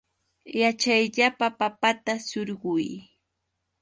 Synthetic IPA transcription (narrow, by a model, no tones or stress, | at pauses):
jat͡ʃajʎapapapat̪asʊɾɢʊj